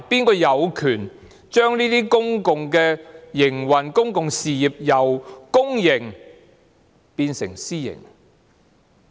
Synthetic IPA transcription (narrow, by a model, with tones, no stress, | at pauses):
piː˥nkɔː˧jɐ˨˧wkʰyː˨˩n | t͡ʃœː˥ŋniː˥t̪iː˥kʊ˥ŋkʊ˨ŋkɛ˧jɪ˨˩ŋwɐ˨˩nkʊ˥ŋkʊ˨ŋsiː˨jiː˨p̚jɐ˨˩wkʊ˥ŋjɪ˨˩ŋ | piː˧nsɪ̰˨˩ŋsiː˥jɪ̰˨˩ŋ